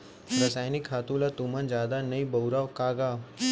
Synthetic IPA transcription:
ɾɐsaːjnikʰːaːt̪ũlat̪umɐnd͡ʒjaːd̪anɐibɐwɾaːkaːɡaː

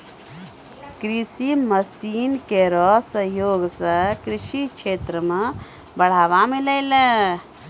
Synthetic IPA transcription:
kɾisiməsiːnkeɾɔsəɦjoːɡsə̃kɾiʃit͡ʃʰet̪ɾəme | bəɽ̤aːʋamilələ

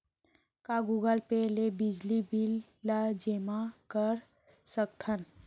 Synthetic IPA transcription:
kaɡuɡəlpelebɪd͡ʒlibɪlː | ad͡ʒeːmakəɾ | səkt̪ʰən

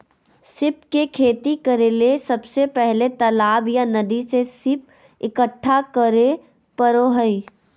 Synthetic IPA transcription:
sɪp̚kekʰeːt̪ikəɾelesɐbsepɛɦlet̪ɐlaːbjanɐd̪isesɪp̚ | ɪkəʈʰːakəɾe | pəɾoɦəi

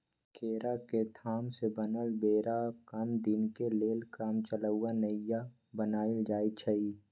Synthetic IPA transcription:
kʰeːɾaket̪ʰaːmsebənəlbeːɾakəmd̪ɪnkeleːlkaːmt͡ʃələʊanəja | bənaːild͡ʒaːit͡ʃʰəi

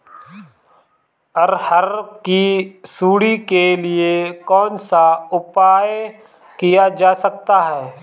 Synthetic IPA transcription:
ɔɾhɐɾkisuːɽikeliekɔːnsaʊpaːj | kijad͡ʒaːsɐk̚t̪aɦɛː

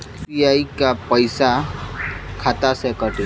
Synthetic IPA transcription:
iaikapəjsa | kʰat̪asekəʈi

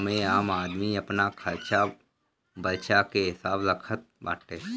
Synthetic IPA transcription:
mẽaːmaːd̪miɐpnakʰəɾt͡ʃa | bəɾt͡ʃakeɦɪsaːbɾəkʰət̪̚ba̰ːʈeː

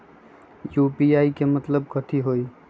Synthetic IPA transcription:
jupiaikemət̪ləb̚kət̪ʰiɦoi

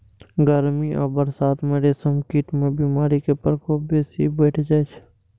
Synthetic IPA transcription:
ɡəɾmiʔɔ̰ːbəɾsaːt̪meːɾesəmkiːʈmẽbiːmaːɾikepəɾkobeːsibɛːʈʰd͡ʒaːet͡ʃʰ

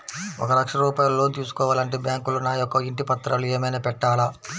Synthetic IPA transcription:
ɔ̰kɐɾɐkʂɐɾuːpaːjɐlɐlo̞ːnt̪iːsu̥kɔːʋaːlɐɳʈeːbjaːŋkulunaːjɔkːɐiɳʈipɐt̪ːɾaːlueːmɐjnɐːpɛʈːaːla

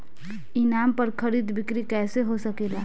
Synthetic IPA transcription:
inampəɾkʰəɾid̪bikɾikɛːseɦosəkela

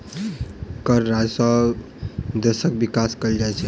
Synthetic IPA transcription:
kəɾːad͡ʒsɔ | d̪əsək̚bikaskəld͡ʒajt͡ʃʰɛ

